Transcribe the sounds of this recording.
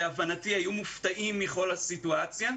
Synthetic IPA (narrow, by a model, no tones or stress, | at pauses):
avanatiajumuftaʔimːiχo̞lhasituat͡sja